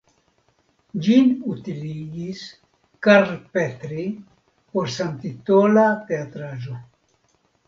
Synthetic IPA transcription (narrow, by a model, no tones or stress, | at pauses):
d͡ʒinut̪iliɡis | kaɾpet̪ɾi | poɾsant̪it̪olat̪eat̪ɾad͡ʒo